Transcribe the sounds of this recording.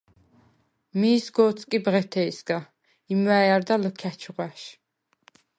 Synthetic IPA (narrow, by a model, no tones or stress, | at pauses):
miːsɡɔːt̪sʼkʼibʁɛt̪ʰɛisɡa | imwæjaɾd̪alɔkʰæt͡ʃʰuʁæʃ